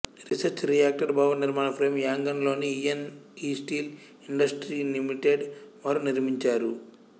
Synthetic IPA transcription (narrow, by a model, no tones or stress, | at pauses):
ɾisɐɾt͡ʃɾijaːk̚ʈɐɾbaːʋɐniɾmaːnɐpʰɾeːmjaːŋɡɐnlo̞ːniieniːsʈiːl | iɳɖɐsʈɾiːlimiʈeːɖʋaɾuniɾmiɲt͡ʃaːɾu